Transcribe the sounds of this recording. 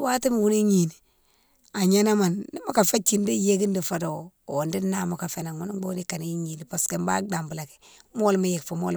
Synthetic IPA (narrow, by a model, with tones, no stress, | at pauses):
wa˦ti˦m˨wu˦ni˦ɲi˨ni˨ | a˨ɲa˦na˦ma˨nːi˦ma˦ka˨fa˦t͡ʃi˨ndi˦je˦ki˦ndi˨fa˨do˨ | o˨ndi˦na˦mo˨ka˨fe˨na˨ŋwu˦ni˦ɡ͡bo˦ni˦ka˨ni˦ɲi˨ni˨pa˨ske˨mba̰˦da˨mbu˨la˨ki̥˨ | mo˦lma˦je˨kfo˨mo̰˦l